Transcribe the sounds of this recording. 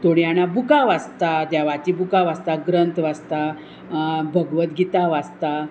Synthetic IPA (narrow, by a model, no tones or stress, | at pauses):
t̪oɽianabukaʋast̪ad̪jaʋat͡ɕibukaʋast̪aɡɾənt̪ʋast̪a | bʱəɡʋət̪ɡit̪aʋast̪a